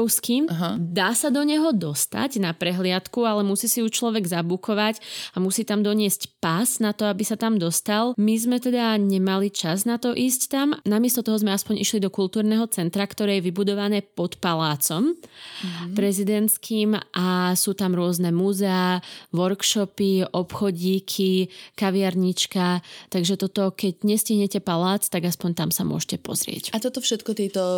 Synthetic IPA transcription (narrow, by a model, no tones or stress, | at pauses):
skiːmɦd̪aːsad̪ɔɲɛɦɔd̪ɔst̪a̰ɟnapɾɛɦlɪat̪kualɛmusiːsijut͡ʃlɔʋɛɡzabukʰɔʋacamusiːt̪amd̪ɔɲɪɛscpaznat̪ɔabisat̪amd̪ɔst̪almizmɛt̪ɛd̪aɲɛmalit͡ʃaznat̪ɔʔiːsct̪amnamɪɛst̪ɔt̪ɔɦɔzmɛaspɔɲiʃlid̪ɔkult̪uːɾnɛɦɔt͡sɛnt̪ɾakt̪ɔɾɛːjɛʋibud̪ɔʋanɛːpɔt̪palaːt͡sɔm | pɾɛzid̪ɛnt̪skʰiːmʔasuːt̪amɾʊɔznɛmuzɛaʋɔɾkʃɔpiʔɔpxɔɟiːkʰikaʋiaɾɲit͡ʃkat̪aɡʒɛt̪ɔt̪ɔkɛɟɲɛsciɦɲɛcɛpalaːt͡st̪aɡaspɔɲt̪amsamʊɔ̰ʒcɛpɔ̰zɾɪɛ̰cat̪ɔt̪ɔfʃɛt̪kɔt̪ɛt̪ɔ